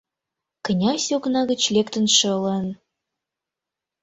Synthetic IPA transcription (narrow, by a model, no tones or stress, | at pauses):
kə̆nʲɑsʲoknɑɣə̆t͡ɕlʲekt̪ə̆nʃɤ̆lə̆n